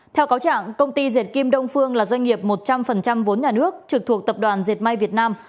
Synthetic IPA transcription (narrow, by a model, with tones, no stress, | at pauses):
t̪ʰɛ˧wkaː˨˦wt͡ɕa̰ː˧˨ŋkə˧wŋ͡mt̪i˧ze˨˩t̚ki˧mɗə˧wŋ͡mfɨ˧əŋlaː˨˩zwa˧jŋ̟ŋi˨˩əp̚mo˨˩t̚t͡ɕa˧mfə˨˩nt͡ɕa˧mvo˨˦nɲaː˨˩nɨ˦˥ək̚t͡ɕɨ˨˩k̚t̪ʰu˨˩ək̚t̪ə˨˩p̚ɗwaː˨˩nze˨˩t̚ma˧jvi˨˩ət̚naː˧m